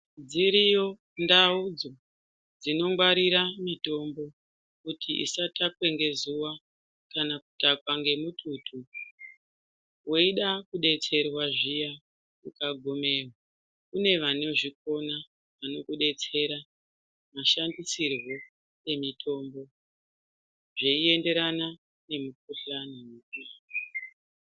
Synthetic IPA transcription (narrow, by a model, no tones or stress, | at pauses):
d͡ziɾijo̞ | ndaud͡zo̞ | d͡zino̞mɡwaɾiɾamito̞mbo̞ | kutʰiʔḭsatakwe̞ŋɡe̞zuwa | kanakutakwaŋɡe̞mutʰutʰu | woiɗakuɗe̞t͡se̞rwaʐija | kukaɡʱome̞ːrwa | kune̞ʋanoʐiko̞na | ʋano̞kuɗe̞t͡se̞ɾa | maʃandisirwo̞ | e̞mitʰo̞ːmbo̞ | ʐeie̞nde̞ɾana | ne̞muk̚uɬanemukujaːo